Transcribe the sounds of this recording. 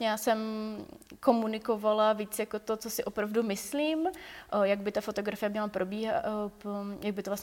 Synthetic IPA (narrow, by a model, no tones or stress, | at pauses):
ɲɛjaːsɛm | ko̞munɪko̞valaviːt͡sjakot̪o̞t͡so̞sɪʔopɾavdumɪsliːmjaɡbɪt̪afo̞t̪o̞ɡɾafɪjɛmɲɛlapɾʔo̞biːɦa | jaɡ̚bɪt̪ovlas